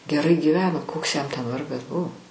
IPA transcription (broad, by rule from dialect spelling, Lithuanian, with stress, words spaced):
ɡʲɛˈrɐɪ ɡʲiːˈʋʲæːnoː ˈkoːks jɛm tʲɛn ˈʋɐrɡɐs ˈbʊ